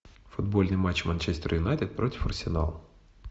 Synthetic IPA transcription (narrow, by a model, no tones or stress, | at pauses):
fʊd̪bo̞lʲnɨjmat͡ɕːmɐnʲt͡ɕɛsʲt̪ʲɪrjɪnat̪ʲɪt̪̚pɾotʲɪfɐrsʲɪna̰lˠ